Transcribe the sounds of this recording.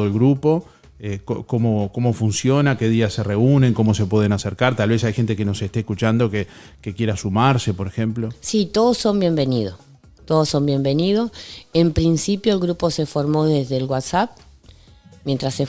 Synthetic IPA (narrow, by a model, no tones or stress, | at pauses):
oelɣɾupo̞ | ekokomokomo̞funsjo̞nake̞ðiasereunẽ̞ŋko̞mo̞sepwe̞ð̞enaseɾkaɾt̪alβe̞sajxe̞nt̪ekeno̞se̞ht̪ehkut͡ʃand̪o̞ke | kekjeɾasumaɾse̞poɾexemplosit̪oðoso̞mbje̞mbe̞niðo | t̪oðoso̞mbje̞mbe̞niðosempɾinsipjoelɣɾuposefoɾmo̞ðezðelwat̪sap̚ | mjent̪ɾase